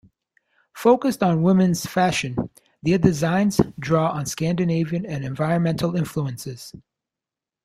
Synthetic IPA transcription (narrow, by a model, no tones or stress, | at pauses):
foʊkɨstn̩wɪ̃mɨ̃nz̥fæʃɨ̃n | ðidɨzãɪ̃nz̥dɹɔə̃nskæ̃ndɨneɪviɨ̃nɨ̃nɨ̃ɱvaɪɹɨ̃nmɛ̃ntʰˡl̩ˠɪ̃ɱfluɨ̃nsɪz̥